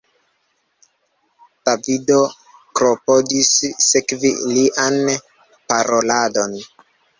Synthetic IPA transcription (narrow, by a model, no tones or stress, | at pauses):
tavido | kɾopodisːekvḭliʔan | paɾolado̞n